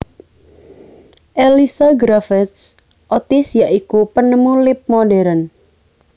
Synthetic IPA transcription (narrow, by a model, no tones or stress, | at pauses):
ʔelisaɡɾafɛt̪s | ʔɔt̪ɪsjaʔikupənəmulɪp̚moɖɛɾən